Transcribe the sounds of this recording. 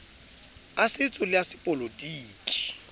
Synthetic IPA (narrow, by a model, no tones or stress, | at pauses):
asɪt͡sʼʊlɪasɪpʼɔlodiːkʼi̥